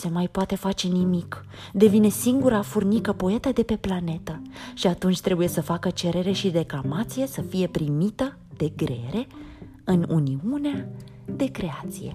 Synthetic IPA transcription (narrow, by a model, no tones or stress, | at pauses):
se̞majpoat̪e̞fat͡ʃe̞nimik | d̪e̞vine̞siŋɡuɾafurnikəpoe̞t̪əd̪e̞pe̞plane̞t̪əʃiat̪unt͡ʃʲt̪ɾe̞buje̞səfakət͡ʃe̞ɾe̞ɾe̞ʃiɾe̞klamat̪sije̞səfije̞pɾimit̪ə | d̪̥e̞ɡɾe̞̰ɾʔe̞ | ɨnuniunea | d̪e̞kɾe̞at̪sije̞̰